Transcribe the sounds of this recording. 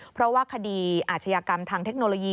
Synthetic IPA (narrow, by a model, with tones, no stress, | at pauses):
pʰɾɔ˦˥waː˥˩kʰa˧diː˧ʔaː˨˩t̪̚t͡ɕʰa˧jaː˧ka˧mt̪ʰaː˧ŋt̪ʰe˦˥k̚noː˧loː˧jiː˧